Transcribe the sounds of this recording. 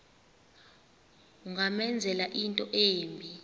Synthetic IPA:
uŋamɛnd͡zʱɛlaʔintʼɔʔeːmbʱi

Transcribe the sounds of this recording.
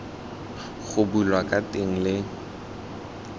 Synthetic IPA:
ɣʊbulwakʼatʼeŋ̩lɪ

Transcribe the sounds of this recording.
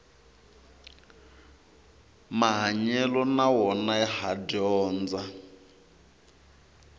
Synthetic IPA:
maɦaɲɛlɔnawɔnaɛhadɔːnd͡za

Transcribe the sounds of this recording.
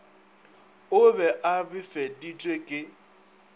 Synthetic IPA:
ʊbɛʔabɪfɛditʼwekʼɪ

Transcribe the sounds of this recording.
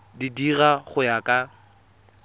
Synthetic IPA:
didiɣaχʊjakʼa

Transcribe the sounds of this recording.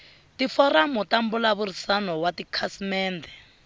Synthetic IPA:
tifɔɾamutambulaβuɾisanɔwatikʰasimɛːnd̪ɛ

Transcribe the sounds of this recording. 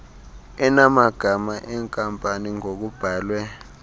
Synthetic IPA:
ɛnamaɡ̥ʱamaʔɛŋkʼampʼaniŋok̬ub̥ʱaːlwɛ

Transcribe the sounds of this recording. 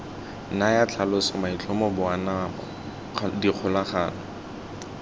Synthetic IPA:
najat͡ɬʰalʊsɔmait͡ɬʰʊmɔbʊanaɔ̰ | diq͡χʰʊlaχaːnɔ

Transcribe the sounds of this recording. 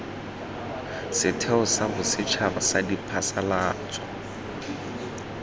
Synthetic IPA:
sɪtʰɛʊsabʊsɪt͡ʃʰabasadipʰasalaːt͡sʼɔ̥

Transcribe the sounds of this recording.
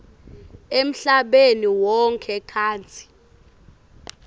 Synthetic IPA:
em̩ɬaɓeniwɔŋkʰɛkʰaːnt͡sʰi̥

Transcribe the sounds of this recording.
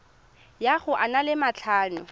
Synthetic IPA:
jaχʊʔanalɪmat͡ɬʰaːnʊ

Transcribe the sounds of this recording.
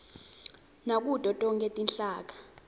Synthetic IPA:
nak̬ʼud̥ʱʼɔtʼɔŋkʰʼɛtʼinɬaːk̬ḁ

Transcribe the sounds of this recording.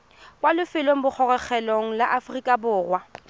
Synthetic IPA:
kwalʊfɪloŋ̩bʊk͡xʰɔrɛχɛloŋ̩laʔafrikʼabʊːrwa

